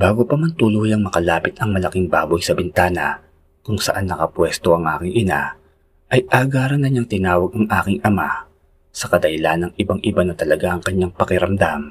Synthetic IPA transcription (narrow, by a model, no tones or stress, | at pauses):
baːɡopɐmant̪ʊluːjɐŋmɐkɐlaːpɪt̪ɐŋmɐlɐkɪŋbaːbojsɐbɛnt̪aːnɐ̰ | kʊŋsɐ̰ʔanːɐkɐpwɛst̪o̞ʔɐŋʔa̰ːkɪŋʔɪna̰ | ʔɐjʔaːɡaːɾɐnɐɲaŋt̪ɪnaːwɐɡ̚ɐŋʔaːkɪŋʔɐma | sɐkɐd̪ɐhɪlanːɐŋɪbaŋʔɪbanɐt̪ɐlɐɡaʔɐŋkɐɲːaŋpɐkɪɾɐmd̪am